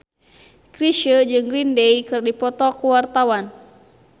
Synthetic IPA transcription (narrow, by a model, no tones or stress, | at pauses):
kɾiʃəd͡ʒɨŋrindɛjkɨrdipɔt̪ɔkuwart̪awan